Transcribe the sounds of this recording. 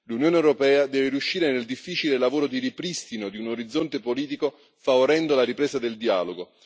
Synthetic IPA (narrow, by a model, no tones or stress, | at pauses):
lunjoːneewɾopɛːad̪ɛːveɾiuʃːiːɾeneld̪ifːiːt͡ʃilelavoːɾod̪iɾipɾist̪inod̪iunoɾid̪zːont̪epoliːt̪iko | favoɾɛnd̪olaɾipɾeːsad̪eld̪ia̰ːloɡo